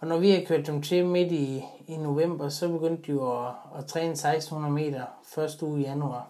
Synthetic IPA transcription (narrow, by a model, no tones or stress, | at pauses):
ɒnɒʋihækʰøɐ̰d̥ːemt͡sʰe̝med̥iː | no̝ʋem̰b̥ɐsɒ̽b̥e̝ɡ̥øn̰d̥ːiɒːt͡sʰʁɛːnəsɑ̈ɪsd̥n̩hunɐð̩ˠme̝̰ːdɐ | fɶɐsd̥əṵːijænuɑ̈ː